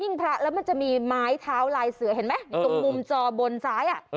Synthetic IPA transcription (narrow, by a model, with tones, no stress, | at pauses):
ji˥˩ŋpʰɾa˦˥ʔlɛː˦˥wma˧nt͡ɕa˨˩ʔmiː˧maː˦˥jt̪ʰaː˦˥wlaː˧jsɯ˩˦ɦe˨˩˦nma˦˥jt̪u˧ŋmu˧mt͡ɕɔː˧bo˧nsaː˦˥jʔa˨˩ʔ